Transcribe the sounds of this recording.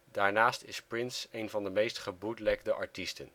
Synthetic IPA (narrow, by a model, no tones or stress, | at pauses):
d̥aːɹnaːstɪsprɪnsejnvɑndəmejstχəbudəlɛkdəʔɑ̰ɹtistən